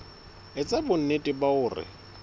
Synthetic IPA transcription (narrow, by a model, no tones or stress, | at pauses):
ɪt͡sʼabʊn̩netʼɪbaʊːrɪ̰